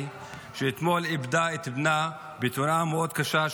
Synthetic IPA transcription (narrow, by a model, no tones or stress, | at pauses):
ʃeːt̪molibd̪aet̪bna | bet̪unameod̪kaʃa